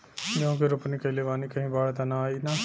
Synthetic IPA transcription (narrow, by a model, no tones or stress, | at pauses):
d͡ʒõːkeɾʊpniːkəiːleːʋaːniːkəɦĩːbaːɽt̪ãːnãːaːiːnãː